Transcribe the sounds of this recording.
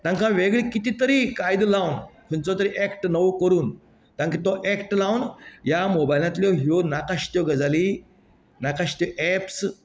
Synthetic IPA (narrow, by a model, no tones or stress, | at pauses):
t̪ãŋkãʋeɡɭikit̪it̪əɾikajd̪lawnkʰunt͡sɔt̪əɾiʔɛkʈnəʋkəɾuːn | t̪ãŋkit̪ɔʔɛkʈlawnjamobajlãt̪ljɔɦionakaɕt̪jɔɡəd͡zali | nakaɕt̪jɔʔɛps